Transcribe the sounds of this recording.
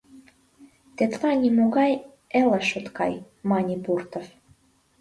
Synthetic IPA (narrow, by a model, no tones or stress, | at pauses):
t̪et̪lɑnʲimoɣɑj | ĕlə̆ʃot̪kɑj | mɑnʲipurt̪of